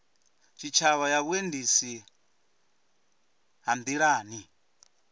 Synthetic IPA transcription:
t͡ʃʰit͡ʃʰaβajaβuendisi | ɦambiɺaːni

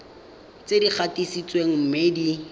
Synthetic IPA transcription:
t͡sedik͡xʰatisit͡sweŋ̩m̩medi

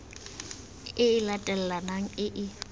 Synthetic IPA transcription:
ɪɪlatʼɛl̩lanaŋ̩ɪʔɪ

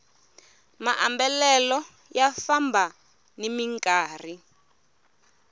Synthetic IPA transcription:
maʔambɛlɛlɔ | jafambʱa | nimiŋkʼaːr̤i

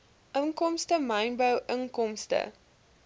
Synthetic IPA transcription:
ʔəŋkɔmstəmɐjnbəwʔəŋkɔmstə̰

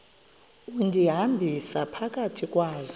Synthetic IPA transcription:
undʱiɦambʱisapʰak̬ʼatʰikʼwaːzɔ

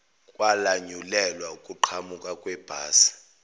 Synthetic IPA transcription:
kʼwalaɲulɛlwaukʼuǃʰamukʼakʼwɛb̥ʱaːsḁ

